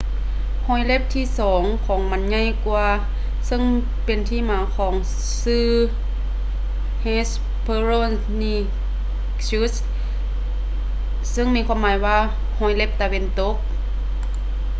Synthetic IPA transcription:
hɔː˧˩jle˧˥p̚t̪ʰiː˧˨sɔː˨˩˦ŋkʰɔː˨˦ŋma˧˥nɲa˧˥˨jkwu˧ | sɤ˧˥˨ŋ | pe˨nt̪ʰiː˧˥˨maː˨˦kʰɔː˨˦ŋ | sɯː˧˩ | he˧˥s | pʰɤː˧ɾo˧˨ | niː˧˩ | su˧˥s | sɤ˧˥˨ŋmiː˧kʰwaː˧˥˨mːaː˨˦jwaː˧ | hɔː˧˩jle˧˩p̚t̪a˨we˧˨nt̪o˧˥k̚

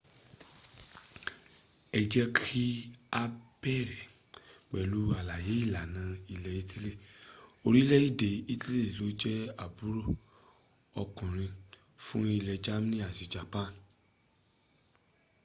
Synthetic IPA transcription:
ɛ˧d͡ʒɛ˦kʰi˦a˦bɛ˦˨ɾɛ˨ | k͡pɛ˨lu˨˦a˨la˨je˨˦i˦˨la˨nã˨˦i˧lɛ˧i˦tʰi˦le˦˨o˧ɾi˦lɛ˦i˦˨de˨i˦ti˦le˦˨lo˨˦d͡ʒɛ˦a˨bu˨˦ɾo˦˨ | ɔ˧kũ˨ɾ̃ĩ˧ | fũ˦i˧lɛ˧d͡ʒa˦m˦nĩ˦a˨si˨d͡ʒa˨pã˦˨n

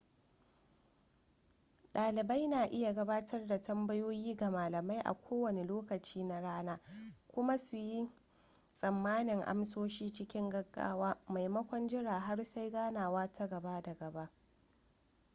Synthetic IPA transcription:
ɗaː˨lɪ˨ba˦jnaː˨ʔɪ˦ja˨ɡɐ˦baː˦tʰɐ˦rda˨tɐ˦mbɐ˦joː˦jiː˦ɡa˨maː˨lɐ˨ma˦jʔa̰˨kʷʰoː˦wɐ˨ne˨loː˦kɐ˨t͡ʃiː˦na˦ɽaː˦naː˦kʷʊ˦ma˦su˨ji˦ | sʼɐ˨mːaː˦nɪ˨ŋʔa̰˦msoː˦ʃiː˦t͡ʃɪ˦kʲɪ˦ŋɡɐ˦ɡːa̰ː˦waː˦ma˨jmɐ˦kʷɔ˦nd͡ʒɪ˦ɽaː˨ɦa˦rsa˦jɡaː˦naː˨waː˦tʰa˦ɡɐ˨ba˦da˨ɡɐ˨ba˦ʔ

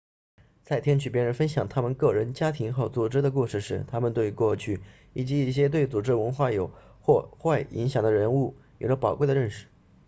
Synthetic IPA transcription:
t͡sa˥˩ɪt̪ʰjɛ˥nt͡ɕʰy˨˩pjɛ˥˩nɻə˧˥nfə˥nɕjɑ˨˩ŋt̪ʰa˥mə˨nkɤ˥˩ɻə˧˥nt͡ɕja˥t̪ʰi˧˥ŋxo˥˩ʊt͡swu˨˩ʈ͡ʂɻ̩˥d̪ə˨k̬u˥˧ʂɻ̩˥˩ʂɻ̩˧˥t̪ʰa˥mə˨nt̪we˥˧ɪkwɔ˥˧t͡ɕʰy˥˩ | i˨˩t͡ɕi˧˥i˥˩ɕ̬jɛ˥t̪we˥˩ɪt͡su˨˩ʈ͡ʂɻ̩˥˧wə˧˥nxwa˥˩jo˨˩ʊ | xwɔ˥˧xwa˥˩ɪi˧˥ŋɕjɑ˨˩ŋd̪ə˦ɻə˧˥nu˥˩jo˨˩ʊʈ͡ʂə˦˩pɑ˨˩ʊkwe˥˩ɪə˨ɻə˥˩nʂɻ̩˥˩

